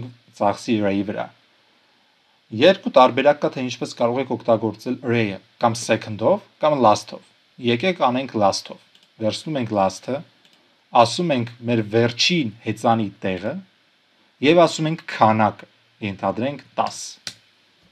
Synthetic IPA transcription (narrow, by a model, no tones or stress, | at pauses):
t͡sɑχsiɾɛjivəɾɑ̰ | jɛɾkut̪ɑɾbɛɾɑkːɑt̪ʰɛint͡ʃʰpɛskɑɾɔʁɛkʰɔkʰt̪ɑɡɔɾt͡sɛlɾɛjə | kɑmsɛkʰənd̪ɔvkɑmlɑst̪ʰɔ̰v | jɛkɛkʰɑnɛŋkʰlɑst̪ʰɔv | vɛɾsʰnumɛŋkʰlɑst̪ʰə | ɑsumɛŋkʰmɛɾvɛɾt͡ʃʰinhɛt͡sɑnit̪ɛʁə | jɛvɑsumɛŋkʰːɑnɑkə | jɛnt̪ʰɑd̪ɾɛŋkʰt̪ɑ̰s